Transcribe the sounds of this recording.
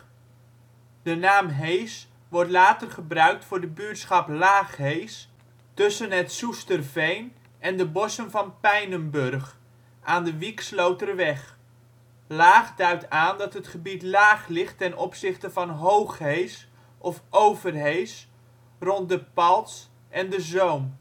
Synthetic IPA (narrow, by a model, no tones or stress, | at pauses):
d̥ənaːmɦejs | ʋɔɹtlaːtərχəbrœɥk̚tfʊːɹdəbyːtsχɑplaːχɦejs | tɵsənɦətsustərvejn | ʔɛndəbɔsənvɑnpɛjnəmbɵrχ | ʔaːndəʋikslowtəɾəʋɛχ | laːχdœɥtaːndɑtɦətχəbitlaːχlɪχtɛnɔpsɪχtəvɑnɦowχɦejs | ʔɔfowvərɦejs | rɔnt̚dəpɑlˠs | ʔɛndəzowm